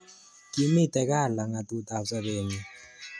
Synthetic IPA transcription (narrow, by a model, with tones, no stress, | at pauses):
ki˨˦mi˦˨tɛ˨ka˦˨la˨ŋa˨tu˦˨ta˨sɛ˦ɓeː˨ni˨